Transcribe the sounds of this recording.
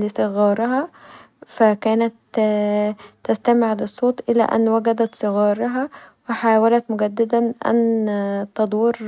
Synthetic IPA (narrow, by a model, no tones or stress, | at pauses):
lisˤɨɣɑːɾˤɑɦɑ | fækæːnæt̪ | æst̪æmʕd̪ɨsˤːoːt̪ˤʔɪlæ̰ːʔæ̰nːwæɡæd̪æt̪sˤɨɣɑːɾˤɑɦɑwɪħaːwælæt̪mʊɡæd̪ːɪd̪ænʔæ̰nt̪ɑd̪ˤiːɾ